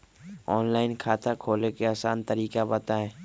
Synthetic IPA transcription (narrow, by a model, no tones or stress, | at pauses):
ɔːnlaːɪnkʰaːt̪ʰakʰoːlekeaːsaːnt̪əɾiːkabət̪aɦɛː